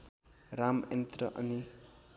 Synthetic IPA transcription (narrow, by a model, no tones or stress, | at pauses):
ɾament̪ɾʌʔʌni